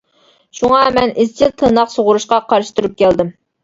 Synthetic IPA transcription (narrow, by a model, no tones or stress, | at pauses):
ʃuŋɑmɛnɪzt͡ʃʰilt̪ʰɨnɑqsoʁʊɾuʃqɑqʰɑɾʃɨ̥t̪ʰuɾup̚kʲʰɛld̪ɪm